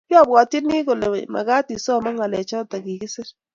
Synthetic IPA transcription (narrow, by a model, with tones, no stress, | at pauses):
jɔ˦˨bwɔ˨ti˦nɪ˦ko˨le˨ma̰˨ka˦ti˨sɔ˦˨ma˦ŋa˨lɛ˨t͡ʃɔ˦ta˨ki˨kɪ˦sɪ˦ɾ